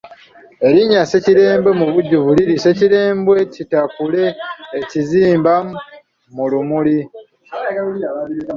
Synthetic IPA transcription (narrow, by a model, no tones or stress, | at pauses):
e̞ɾiɲase̞ciɾe̞ːmbwe̞muβuɟːuβuliɾise̞ciɾe̞ːmbwe̞citakule̞ːciziːmba | mulumuli